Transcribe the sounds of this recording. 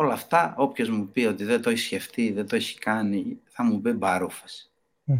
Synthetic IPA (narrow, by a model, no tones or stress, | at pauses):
o̞lɐft̪ɐo̞pço̞zmupio̞t̪iðet̪o̞eçi̥sçeft̪iðet̪o̞eçi̥kɐniθɐmubibɐɾufɐsi̥